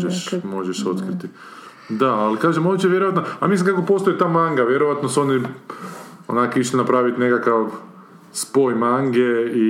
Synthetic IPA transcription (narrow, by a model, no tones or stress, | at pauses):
ʒeʃmo̞ʒeʃo̞t̪kɾit̪i | d̪aalikaːʒemonit͡ɕeʋjeɾoʋat̪noamislimkakopo̞st̪oit̪aːmaŋɡaʋjeɾoʋat̪noso̞ni | onaːkoiʃt̪enapɾaːʋit̪inekakaʋ | spo̞ːjmaŋɡei